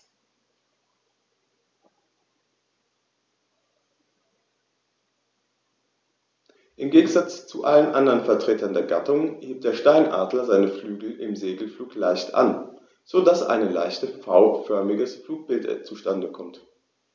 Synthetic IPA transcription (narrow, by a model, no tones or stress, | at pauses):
ʔɪmɡeːɡŋ̩zat͡st͡suʔalənʔandɐʁənfɛɐtʁ̥eːtɐndeːɐɡatʊŋheːp̚t̚d̥eːɐʃtaɪnʔa̰ːdlɐzaɪnəflyːɡl̩ʔɪmzeːɡl̩fluːklaɪçtʔa̰n | z̥odasʔa̰ɪnəla̰ɪçtəfaʊfœɐmɪɡəsfluːk̚b̥ɪltt͡suʃtandəkʰɔmt